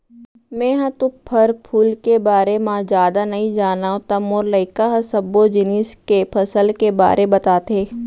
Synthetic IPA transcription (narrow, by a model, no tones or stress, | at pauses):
mɛ̃ːɦãt̪ʊpʰɐɾpʰuːlkebaːɾemãd͡ʒjaːd̪anɐɦĩd͡ʒaːnaːõt̪ɐmoːɾləɪkaɦɐ̃sɐbod͡ʒɪniskepʰɐsəlkeba̰ːɾʔebɐt̪aːt̪eː